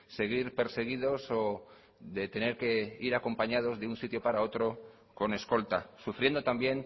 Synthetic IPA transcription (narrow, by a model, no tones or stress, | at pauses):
se̞ɣ̞iɾpe̞ɾse̞ɣ̞iðo̞so | ðe̞t̪e̞ne̞ɾke̞iɾako̞mpaɲað̞o̞zðeunsit̪jo̞paɾao̞t̪ɾo̞ | ko̞ne̞sko̞lt̪asufɾje̞nd̪ot̪ambje̞n